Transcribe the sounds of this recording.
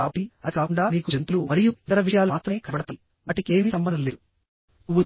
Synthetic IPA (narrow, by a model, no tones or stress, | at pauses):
aːpiɐikaːkuɳɖaːmiːkud͡ʒent̪ulumɐɾijuit̪ɐɾɐʋiʂɐjaːluaːt̪ɾɐmeːkɐbɐɽɐt̪a | mɐʈikeːmisɐmbɐɐleu | uʋu